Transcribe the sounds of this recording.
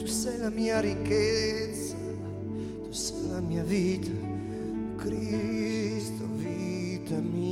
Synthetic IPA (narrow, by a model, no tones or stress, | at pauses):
t̪usɛjlamiːaɾikːet̪sa | t̪u̥sɛjlamiːavit̪a | okɾi | st̪ovit̪ami